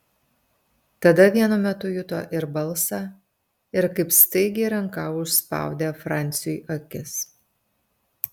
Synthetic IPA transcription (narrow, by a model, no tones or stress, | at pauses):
t̪ɐd̪ɐʋʲiɛnʊmʲɛt̪ʊjʊt̪oːʔɪɾbɐlˠsɑ | ɪɾkɐɪpst̪ɐɪɡʲɪɾɐŋkɑʊʃspɑ̰ˑʊd̪ʲeːfɾɑˑnʲt̪sʲɪjʔɐkʲɪs